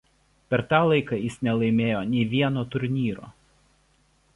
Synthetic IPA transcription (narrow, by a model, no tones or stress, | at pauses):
pʲɛɾt̪ɑːlˠɐɪkɑjɪsnʲɛlˠɐɪmʲeːjoːnʲɛɪʋʲiɛnoːt̪ʊɾʲnʲiːɾo̰ː